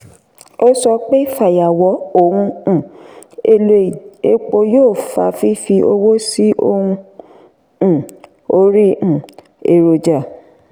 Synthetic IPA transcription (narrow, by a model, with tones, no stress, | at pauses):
o˦sɔ˧k͡pe˦i˦˨fa˨ja˨wɔ˨˦o˨hũ˧˦˨e˧lo˧˨e˦k͡po˧joː˦˨fa̰˧fi˦fi˧ʔo˧wo˦si˦ʔo˧hũ˧ | ũ˦˨ | o˧˦ɾĩ˦˨ | e˨ɾo˨d͡ʒa˨